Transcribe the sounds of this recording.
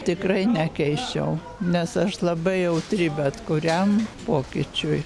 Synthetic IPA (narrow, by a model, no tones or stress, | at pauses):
t̪ʲɪkrɐɪnʲɛkʲɛɪʃt͡ʃʲɛ̰ʊ | nʲɛsɐʃlˠɐbɐɪjɛʊt̪ʲɾʲɪbʲɛt̪kʊɾʲɛmpoːkʲɪt͡ʃʲʊj